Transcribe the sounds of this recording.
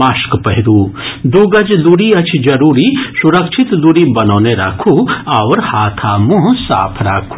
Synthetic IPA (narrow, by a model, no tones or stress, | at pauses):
aːʃkpɐɦɪd̪uːd̪uːɡɐd͡ʒd̪uɽiɐt͡ʃʰd͡ʒɐɾuːɾisuɾɐkʃʰit̪d̪uɽibɐnoːneɾɐ̰ːkʰuɐʋɾhaːt̪ʰaːmuɦsa̰ːpʰɾa̰ːkʰu